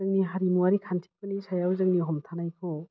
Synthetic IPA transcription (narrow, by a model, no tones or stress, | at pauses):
ɯŋniɦaɾimuaɾikʰantʰi̥pɯnisajawzɯŋniɦɔmtʰanajkʰo